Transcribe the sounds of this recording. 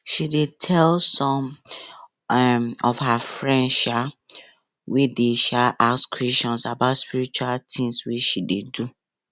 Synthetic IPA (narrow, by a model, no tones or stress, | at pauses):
ʃidetʰɛlsɔ̃m | mɔfhafɹɛ̃ndʃa | wedeʃaʔaskʰwɛst͡ʃɔ̃nsabaʊtspiɹit͡ʃualt̪ĩŋswiʃidedu